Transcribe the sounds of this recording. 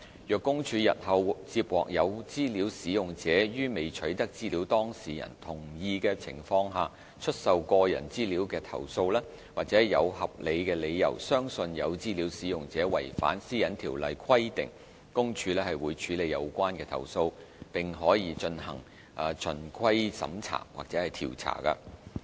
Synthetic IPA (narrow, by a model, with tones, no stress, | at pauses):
jœː˨kːʊ˥ŋt͡ʃʰyː˨˧jɐ̰˨t̚hɐ˨˧wt͡siː˧p̚wɔ̰ː˨k̚jɐ˨˧wt͡siː˥liː˨˥wsiː˨˥jʊ˨˩ŋt͡sɛː˨˥jyː˥me˨˩jt͡ʃʰɵ˨˥ɥt̪ɐ˥k̚t͡siː˥liː˨˥wt̪ɔː˥ŋsiː˨˩jɐ̰˨˩nt̪ʰʊ˨˩ŋjiː˨˧kɛː˧t͡sʰɪ̰˨˩ŋfɔː˧ŋɦaː˨ | t͡ʃʰɵ˥t̚sɐ˨wkɔː˧jɐ̰˨˩nt͡siː˥liː˨˥wkɛː˧t̪ʰɐ̰˨˩wso˧wlaː˥ | waː˨k̚t͡sɛː˨˥˨jɐ̰˨˧whɐ˨p̚le˨˧jkɛː˧le˨˧jjɐ̰˨˩wsœː˥ŋsɵ˧njɐ˨˧wt͡siː˥liː˨˥wsiː˨˥jʊ˨ŋt͡sɛː˨˥wɐ˨˩jfa̰ː˨˥nsiː˥jɐ˨˧˥nt̪ʰiː˨˩wlɐ˨jkʰɐ˥jt̪ɪ̰˨˩ŋ | kʊ˥ŋt͡ʃʰyː˧lɛː˥hɐ˨˩jwuː˨˧jt͡ʃʰyː˨˥le˨˧jɐ˨˧wkʷaː˥nkɛː˧t̪ʰɐ̰˨˩wso˧w | pɪ˨ŋɦɔː˨˥jiː˧t͡ʃɵ˧nhɐ̰˨˩ŋ | ʔaː˨˩t͡ʃʰɵ˨˩nkʰɐ˥jsɐ̰˨˧˥mt͡sʰa̰ː˨˩ŋwa̰ː˨k̚t͡sɛː˨˥hɐ˨jt̪ʰḭː˨˩wt͡sʰa̰ː˨˩kɐ̰˧